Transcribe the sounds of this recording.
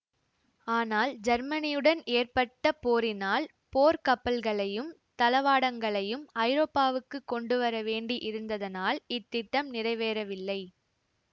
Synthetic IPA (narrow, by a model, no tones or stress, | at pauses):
aːnaːld͡ʒɐɾmɐnɪjɯɽɐneːrpɐʈːɐpoːɾɪnaːl | poːɾkɐpːɐlɣɐɭɐjɯm | t̪ɐlɐʋaːɽɐŋɡɐɭɐjɯmɐɪɾoːpːaːʋɯkːɯkːɔɳɖɯʋɐɾɐʋeːɳɖiʔɪɾɯnd̪ɐðɐnaːlɪt̪ːɪʈːɐmnɪrɐɪʋeːɾɐʋɪlːɐɪ